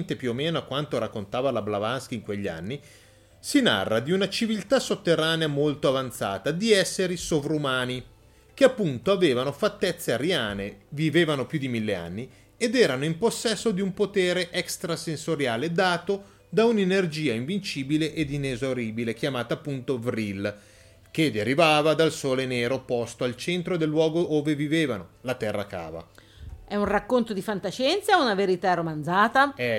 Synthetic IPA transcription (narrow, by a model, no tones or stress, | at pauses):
nt̪epjuomːeːnoakwant̪oɾakːont̪aːvalablavanskiːŋkweʎːia̰nːi | sina̰rːad̪iunat͡ʃivilt̪asot̪ːerːaːneamolt̪oavant̪sa̰ːt̪ad̪iɛsːeɾisovɾumaːni | k̟eapːunt̪oaveːvanofat̪ːɛt̪sːeaɾjaːneviveːvanopjud̪imilːea̰nːi | ed̪ɛːɾanoimposːɛsːod̪iumpot̪eːɾeʔɛkst̪ɾasensoɾjaːled̪aːt̪o | d̪aunenerd͡ʒiːaiɱvint͡ʃiːbileʔed̪inezoɾiːbilekjamaːt̪aːpːunt̪ovɾil | k̟ed̪eɾivaːvad̪alsoːleneːɾopost̪oalt͡ʃent̪ɾod̪elːwɔːɡooːveviveːvanolat̪ɛrːa̰ka̰ːva̰ | ɛunrakːont̪od̪ifant̪aʃɛnt̪saunaveɾit̪aromanzaːt̪aɛ